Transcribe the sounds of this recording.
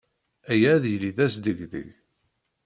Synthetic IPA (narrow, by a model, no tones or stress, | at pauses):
æjæðjliðæsd̪əɡðḭ